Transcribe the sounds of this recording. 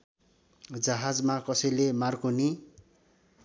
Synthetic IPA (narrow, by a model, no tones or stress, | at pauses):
d͡zʌɦad͡zmakʌsʌjlemarkoni